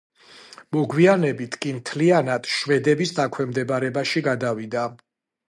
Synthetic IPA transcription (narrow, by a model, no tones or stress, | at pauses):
mɔɡwianɛbit̪ʰkʼimt̪ʰlianad̪̥ʃvɛd̪ɛbisd̪akʰwɛmd̪ɛbaɾɛbaʃiɡad̪avid̪a